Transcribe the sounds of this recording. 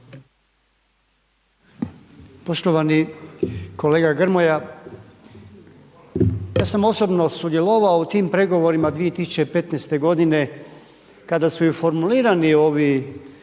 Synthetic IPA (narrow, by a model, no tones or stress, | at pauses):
po̞ʃt̪o̞ʋani | ko̞le̞ːɡaɡr̩mo̞ja | jaːsamo̞so̞bno̞sud̪je̞lˠoʋaout̪iːmpɾe̞ɡo̞ʋo̞ɾimad̪ʋije̞t̪isut͡ɕepe̞t̪nest̪e̞ɡo̞d̪ine̞ | kad̪asujifo̞ɾmuliːɾanio̞ʋi